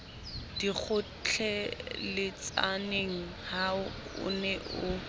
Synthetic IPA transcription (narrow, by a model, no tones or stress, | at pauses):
d̥ik͡xʰʊ | t͡ɬʰɛlɪt͡sʼaneŋ̩ | haʊʊ̰nɛʔʊ